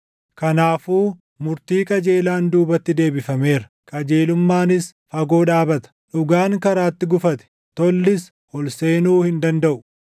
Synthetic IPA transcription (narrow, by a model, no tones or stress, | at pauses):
kɐnaːfuː | mʊɾt̪iːkʼɐd͡ʒe̞ːlaːnd̪uːbɐt̪ːɪd̪e̞ːbɪfɐme̞ːɾɐ̥ | kʼɐd͡ʒe̞ːlʊmːaːnɪs | fɐɡo̞ːᶑaːbɐt̪ɐ̥ᶑʊɡaːŋkɐɾaːt̪ːɪɡʊfɐt̪ɛ̥ | t̪ɔlːɪs | hɔlse̞ːnuːhɪnd̪ɐnd̪ɐʔʊ̥